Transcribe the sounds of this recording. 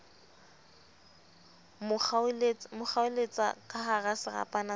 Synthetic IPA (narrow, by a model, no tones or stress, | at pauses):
mʊlmʊχaʊlet͡sʼa̰kʼaɦarasɪra̰pʼana